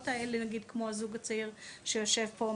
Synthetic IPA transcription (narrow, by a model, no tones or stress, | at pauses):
taelenaɡid̪kmo̞azuɡat͡saiʁʃejo̞ʃe̞vpo